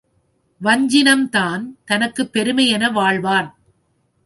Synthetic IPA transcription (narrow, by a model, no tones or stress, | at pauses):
ʋɐɲd͡ʒɪnɐmt̪aːnt̪ɐnɐkːɯpːɛɾɯmɐjɛnɐʋaːɭʋaːn